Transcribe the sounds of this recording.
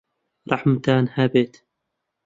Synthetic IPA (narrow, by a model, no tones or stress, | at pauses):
ɾˤɑħmt̪aːnhaːbeːt̪